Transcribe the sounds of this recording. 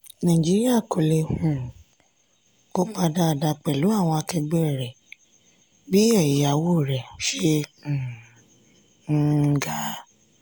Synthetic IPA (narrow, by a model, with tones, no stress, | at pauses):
nã˨i˨d͡ʒi˦ɾi˦a˦˨ko˨le˧hũ˨˦ | ko˦k͡pa˧da˦˨da˧k͡pɛ˨lu˨˦a˦˨w̃ɔ̃˧a˧kɛ˧ɡ͡bɛ˦˨ɾɛ˨ | bi˦ɛ˦˨ji˨a˨wo˦˨ɾɛ˨˦ʃẽ˦˨˧ | ɡa˦